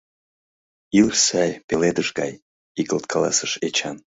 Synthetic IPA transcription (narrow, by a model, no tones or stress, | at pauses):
ilsæjpeled̪əʃɡɑ̰j | ikəlt̪̚kʰɑlɑ̰səʃet͡ɕɑn